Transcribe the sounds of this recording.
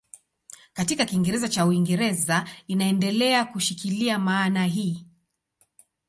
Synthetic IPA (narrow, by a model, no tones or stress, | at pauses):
katikakiŋɡɛɾɛzat͡ʃauiŋɡɛɾɛzainaɛndɛlɛakuʃikiliamaːnaɦiː